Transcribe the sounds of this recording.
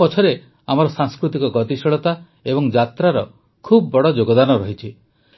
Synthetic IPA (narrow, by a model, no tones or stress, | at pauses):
ɔt͡ʃʰɔɾe | amɔɾɔsaŋskɾut̪ikɔɡɔt̪isɔɭɔt̪a | ebɔŋd͡ʒat̪ɾaɾɔ | kʰubbɔɽɔd͡ʒoɡɔd̪anɔɾɔɦit͡ʃʰi